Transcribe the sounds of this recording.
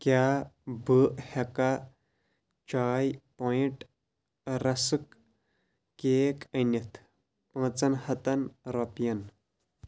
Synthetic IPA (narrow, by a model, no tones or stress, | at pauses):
kjaːbɨʔhɐka | t͡ʃaːjpoːiʈ | ɾɐsɨkː | eːkɐnjɐt̪ʰ | pɐ̃ːt͡sɐnhɐt̪ɐnɾoːpijɐn